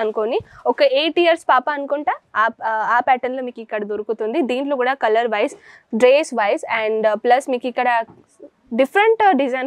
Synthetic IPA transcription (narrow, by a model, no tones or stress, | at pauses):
ɐnukoniɔkɐeːʈiɐɾspaːpɐːnukuɳʈaːaːpɛːʈɐnloːmiːkikːɐɽɐd̪oɾukut̪und̪id̪iːɳʈloːkuːɽaːkɐlɐɾʋɐjs | ɖɾeːsʋɐjsɛɳɖplɐsmiːkikːɐɽɐ | ɖipʰɾɐɳʈɖid͡ʒɐn